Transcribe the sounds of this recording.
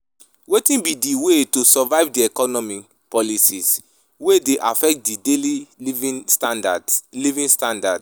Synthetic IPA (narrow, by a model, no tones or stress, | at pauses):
wetĩnbidiwetosɔvaɪvdiɛkɔnɔmi | pɔlisis | wedeʔafɛk̚t̚dideli | adadlivĩnstãndad